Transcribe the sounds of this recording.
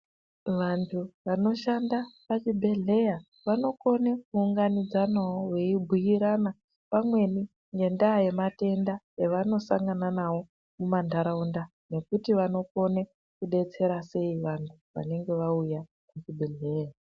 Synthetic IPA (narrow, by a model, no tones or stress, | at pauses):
ʋantʰuʋano̞ʃandapat͡ʃibʱe̞ɮe̞ja | ʋano̞ko̞nek̚uːŋɡanid͡zanawowe̞ibʱujiɾana | pamwe̞ni | ŋɡe̞ndaːje̞mate̞ndajeʋano̞saŋɡananawo̞ | mumandʱaɾaunda | ne̞kutiʋano̞ko̞ne | kuɗe̞t͡se̞ɾase̞iʋantʰuʋa̰ne̞ŋɡe̞ʋauja | mut͡ʃibʱe̞ɮe̞ːja